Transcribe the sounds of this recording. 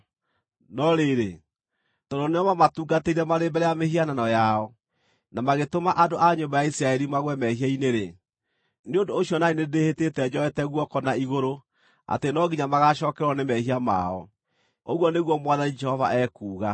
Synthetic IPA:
nɔɾeːɾe | tɔdoneɔmamatuːɡateiɾɛmaɾembɛɾɛjamehiananɔjaɔ | namaɣetomaʔadoʔaɲombajaisɾaɛɾimaɣwɛmɛhiaineɾe | neondoːɕjɔnainedehetetɛd͡ʑɔɛtɛɣwɔkɔnaiɣoɾo | a̰tenɔɡiɲamaɣaʃɔkɛɾwanemɛhiama̰ɔ̰ | oɣwɔneɣwɔmwaðanid͡ʒɛhɔva̰ʔɛkuːɣa

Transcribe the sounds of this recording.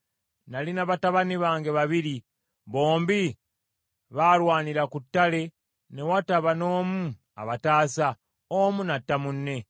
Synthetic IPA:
nalinaβataβaniβaːŋɡe̞βaβiɾi | βo̞ːmbi | βaːlwaːniɾakutːale̞ | ne̞wataβano̞ːmu | a̰βataːsa | omunatːamunːe̞

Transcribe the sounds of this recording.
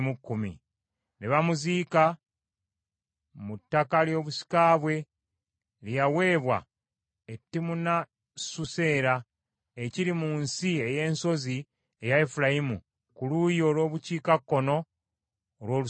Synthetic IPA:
mukːumḭ | neβamuziːka | mutːakaljo̞ːβusi̥kaːβwe̞ | lijawe̞ːβwa̰ | etːimuna | suse̞ːɾa | eciɾimuːnsie̞je̞ːnso̞zi | ejaefulaimṵ | kulujo̞ːlwo̞ːβuciːkakːo̞no̞ː | lwo̞ːlu

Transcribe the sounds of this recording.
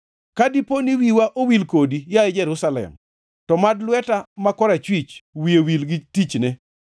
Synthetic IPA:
kadiponiwiwaʔowilkodijaed͡ʒɛɾʊsalɛ̰m | tɔmadlwɛtamakɔɾat͡ʃwit͡ʃwiewilɡɪtit͡ʃnɛ

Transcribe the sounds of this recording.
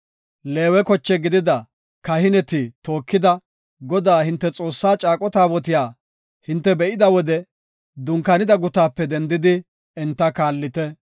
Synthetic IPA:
le̞ːwɛkɔt͡ʃːɛɡɪd̪ɪd̪ɐ | kɐhɪnɛt̪ɪt̪o̞ːkːɪd̪ɐ | ɡɔd̪aːhɪnt̪ːɛt͡sʼo̞ːsːaːt͡ʃʼaːkʼɔt̪aːwɔt̪̬ɪjaː | hɪnt̪ːɛbɛʔɪd̪ɐwɔd̪ɛ | d̪ʊŋkɐnɪd̪ɐɡʊt̪aːpːɛd̪ɛnd̪ɪd̪ɪ | ɛnt̪ːɐkaːlːɪt̪ɛ

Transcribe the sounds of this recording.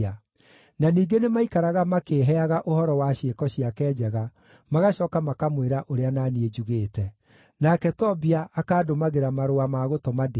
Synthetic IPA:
a | naniːɡenemaikaɾaɣamakeːɦɛaɣaʔohɔɾɔwaʃekɔɕijakɛːd͡ʒɛɣa | maɣaɕɔːkamakamweɾaʔoɾeanaːnied͡ʒuɣeːtɛ | nakɛtɔbiaʔːkaːdomaɣeɾamaɾoamaɣotɔmade

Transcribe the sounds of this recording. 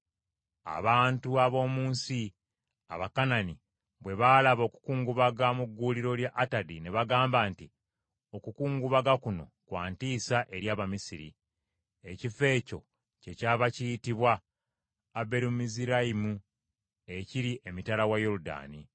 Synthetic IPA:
a̰βaːntuaβo̞ːmuːnsi | a̰βakanani | βwe̞βaːlaβo̞ːku̥kuːŋɡuβaɡamuɡːuliɾo̞ljaʔːtadine̞βaɡaːmbaːnti | o̞kukuːŋɡuβaɡakuno̞̰kwaːntiːsaʔe̞ɾjaːβamisiɾḭ | ecife̞ːco̞ | ce̞caːβacijitiβwaː | be̞ɾimmiziɾaimu | e̞ciɾiʔe̞mitalawajoɾuda̰ːni

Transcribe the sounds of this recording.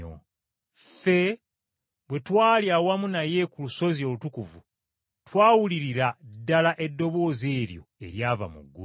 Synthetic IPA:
o̰ | fe̞ | βwe̞twaːljawamunaje̞kuluso̞zio̞lutukuvu | twaːwuliɾiɾadːalaʔe̞dːo̞βo̞ːze̞ːɾjo̞̰e̞̰ɾjaːva̰mṵɡːṵ

